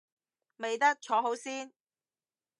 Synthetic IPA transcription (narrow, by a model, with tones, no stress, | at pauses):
me˨jt̪ɐ˥k̚t͡ʃʰɔː˨˥ɦo˨˥wsiː˥n